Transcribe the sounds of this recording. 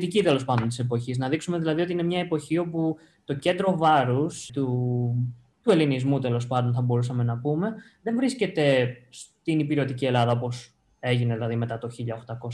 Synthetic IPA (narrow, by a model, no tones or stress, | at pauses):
t̪icit̪e̞lo̞spɐnd̪o̞nt̪ise̞po̞çiznɐðiksume̞ðilɐðiot̪inemɲɐepo̞çio̞pu | t̪o̞ce̞nd̪ɾo̞vɐɾust̪u | t̪ue̞linizmut̪e̞lo̞spɐnd̪o̞nθɐbo̞ɾusɐme̞nɐpume̞ | ðe̞nvɾisce̞t̪e̞st̪inipiɾo̞t̪icie̞lɐðɐo̞po̞s | e̞ʝineðilɐðime̞t̪ɐt̪o̞çiʎɐoxt̪ɐko̞sɐ